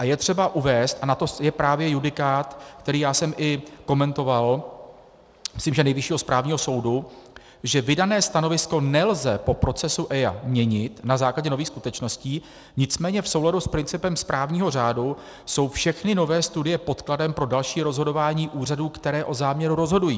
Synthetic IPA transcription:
ʔajɛt̪r̝̥ɛbaʔuvɛːst̪ʔanat̪o̞jɛpɾaːvjɛjudɪkaːt̪kt̪ɛɾiːjaːsɛmʔɪko̞mɛnt̪o̞val | mɪsliːmʒɛnɛjvɪʃiːɦospɾaːvɲiːɦo̞so̞wdu | ʒɛvɪdanɛːst̪ano̞vɪsko̞nɛlzɛpo̞pɾo̞t͡sɛsuʔɛja̰mɲɛɲɪt̪nazaːklaɟɛno̞viːxskut̪ɛt͡ʃno̞sciː | ɲɪt͡smɛːɲɛfso̞wladuspɾɪnt͡sɪpɛmspɾʔaːvɲiːɦo̞r̝aːdu | so̞wfʃɛxnɪno̞vɛːst̪udɪjɛpo̞t̪kladɛmpɾo̞dalʃiːɾo̞zɦo̞do̞vaːɲiːʔuːraduːkt̪ɛɾɛːʔo̞zaːmɲɛɾuɾo̞zɦo̞dujiː

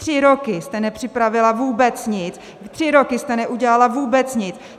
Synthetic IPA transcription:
r̝̥ɪɾokɪst̪ɛnɛpr̝̥ɪpɾavɪlavuːbɛt͡sɲɪt͡s | t̪r̥ɪɾo̞kɪst̪ɛnɛʔuɟɛlalavuːbɛt͡sɲɪt͡s

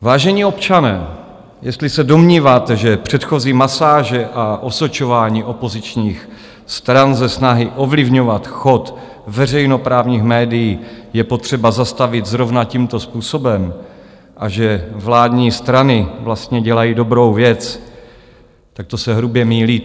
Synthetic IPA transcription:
vaːʒɛɲiːo̞pt͡ʃanɛː | jɛst̪lɪsɛdo̞mɲiːvaːt̪ɛʒɛpr̝̥ɛt̪xo̞ziːmasaːʒɛʔaʔo̞sot͡ʃo̞vaːɲiːʔo̞po̞zɪt͡ʃɲiːx | st̪ɾanzɛsnaɦɪʔo̞vlɪvɲo̞vat̪xo̞t̪ | vɛrɛjno̞pɾaːvɲiːxmɛːdɪjiːjɛpo̞t̪r̝̥ɛbazast̪avɪt̪zɾo̞vnaciːmt̪o̞spuːso̞bɛm | ʔaʒɛvlaːd̪ɲiːst̪ɾanɪvlast̪ɲɛɟɛlajiːdo̞bɾo̞wvjɛt͡s | t̪ak̚t̪o̞sɛɦɾubjɛmiːliː

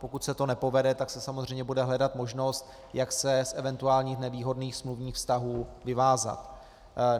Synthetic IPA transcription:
po̞kut̪sɛt̪o̞nɛpo̞vɛdɛt̪aksɛsamozr̝ɛjɲɛbudɛɦlɛdat̪mo̞ʒno̞st̪ | jaksɛsʔɛvɛnt̪uaːlɲiːxnɛviːɦo̞dniːxsmluvɲiːxfst̪aɦuːvɪvaːza̰t̪

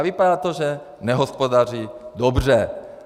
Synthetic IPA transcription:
vipad̪aːt̪oʒɛ | nɛɦɔspod̪ar̝id̪ɔbr̝ɛ

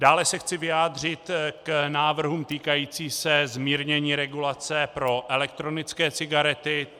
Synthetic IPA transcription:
daːlɛsɛxt͡sɪvɪjaːd̪r̝ɪt̪knaːvr̩ɦumt̪iːkajiːt͡siːsɛzmiːɾɲɛɲiːɾɛɡulat͡sɛpɾo̞ʔɛlɛkt̪ɾo̞nɪt͡skɛːt͡sɪɡaɾɛt̪ɪ

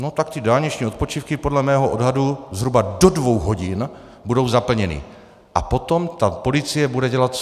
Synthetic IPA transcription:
no̞t̪akt̪ɪdaːlɲɛt͡ʃɲiːo̞t̪̚po̞t͡ʃifkɪpo̞dlɛmɛːɦoʔodɦaduzɦɾubado̞dvo̞wɦo̞ɟɪn | budo̞wzapl̩ɲɛnḭ | ʔapo̞t̪o̞mt̪apo̞lɪt͡sɪjɛbudɛɟɛlat̪

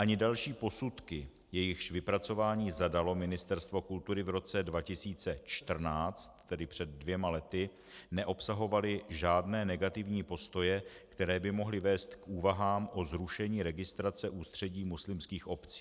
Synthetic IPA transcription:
ʔaɲɪdalʃiːpo̞sut̪kɪ | jɛjɪxʃvɪpɾat͡so̞vaːɲiːzadalo̞mɪnɪst̪ɛɾst̪vo̞kult̪uɾɪvɾo̞t͡sɛdvacɪsiːt͡sɛt͡ʃt̪r̩naːt͡st̪ːɛdɪpr̝̥ɛd̪̚ːvjɛmalɛt̪ɪ | nɛʔo̞psaɦo̞valɪʒaːdnɛːnɛɡat̪ɪvɲiːpo̞st̪o̞jɛkt̪ɛɾɛːbɪmo̞ɦlɪvɛːst̪kʔuːvaɦaːmʔo̞zɾuʃɛɲiːɾɛɡɪst̪ɾat͡sɛʔuːst̪r̝̥ɛɟiːmuslɪmskiːxʔo̞pt͡si̥ː

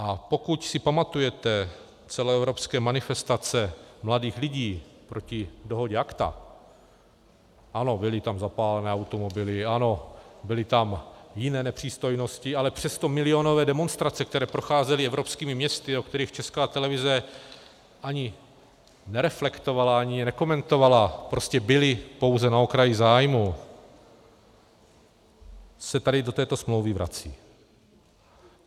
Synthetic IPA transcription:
ʔapo̞kucsɪpamat̪ujɛt̪ɛ | t͡sɛloɛvɾo̞pskɛːmanɪfɛst̪at͡sɛmladiːxlɪɟiːpɾo̞cɪdo̞ɦo̞ɟɛakt̪a̰ | ʔano̞bɪlɪt̪amzapaːlɛnɛːawt̪o̞mo̞bɪlɪano̞bɪlɪt̪amjɪnɛːnɛpr̥iːst̪o̞jno̞scɪalɛpr̥ɛst̪o̞mɪlɪo̞no̞vɛːdɛmo̞nst̪ɾat͡sɛk̚t̪ɛɾɛːpɾo̞xaːzɛlɪɛvɾo̞pskiːmɪmɲɛst̪ɪo̞k̚t̪ɛɾiːxt͡ʃɛskaːt̪ɛlɛvɪzɛ | ʔaɲɪ | nɛɾɛflɛkt̪o̞valaaɲɪjɛnɛko̞mɛnt̪o̞valapɾo̞scɛbɪlɪpo̞wzɛnao̞kɾajɪzaːjmu | sɛt̪adɪdo̞t̪ɛːt̪o̞smlowvɪvɾʔa̰t͡sḭː

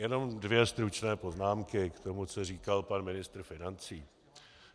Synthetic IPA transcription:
jɛno̞mdvjɛst̪ɾut͡ʃnɛːpo̞znaːmkɪkt̪o̞mut͡soriːkalpanmɪnɪst̪ɾ̩fɪnant͡siː

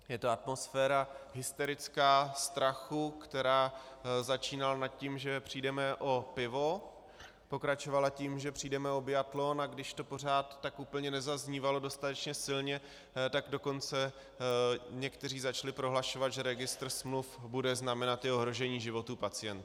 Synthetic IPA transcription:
jɛt̪o̞at̪̚mo̞sfɛːɾaɦɪst̪ɛɾɪt͡skaːst̪ɾaxukt̪ɛɾaːzat͡ʃiːnalanat̪̚cimʒɛpr̥iːdɛmɛʔo̞pɪvo̞ | po̞kɾat͡ʃo̞valaciːmʒɛpr̝̥iːdɛmɛo̞bjat̪lo̞naɡdɪʃt̪o̞po̞r̝aːt̪ːakupl̩ɲɛnɛzazɲiːvalo̞do̞st̪at̪ɛt͡ʃɲɛsɪlɲɛ | t̪aɡdo̞ko̞nt͡sɛ | ɲɛkt̪ɛriːzat͡ʃlɪpɾo̞ɦlaʃo̞vad̪ʒɛɾɛɡɪst̪ɾ̩smlufbudɛznamɛnat̪jɪo̞ɦɾo̞ʒɛɲiːʒɪvo̞t̪uːpat͡sɪjɛnt̪

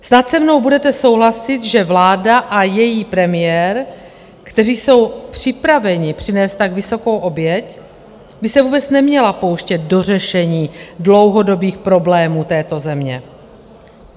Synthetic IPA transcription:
snat̪sɛmno̞wbudɛt̪ɛso̞wɦlasɪt̪ʒɛvlaːdaʔajɛjiːpɾɛmɪjɛːɾ | kt̪ɛriːso̞wpr̝̥ɪpɾavɛɲɪpr̝̥ɪnɛːst̪ːaɡvɪso̞ko̞wʔo̞bjɛc | bɪsɛvuːbɛt͡snɛmɲɛlapo̞wʃcɛt̪̚do̞r̝ɛʃɛɲiːdlo̞wɦo̞do̞biːxpɾo̞blɛːmuːt̪ɛːt̪o̞zɛmɲɛ

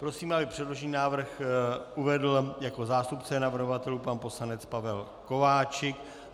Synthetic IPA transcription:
pɾo̞siːmabɪpr̝̥ɛdlo̞ʒniːnaːvr̩xʔuvɛdl̩jako̞zaːst̪upt͡sɛnavr̩ɦovat̪ɛluːpanpo̞slanɛt͡spavɛl | ko̞vaːt͡ʃɪk

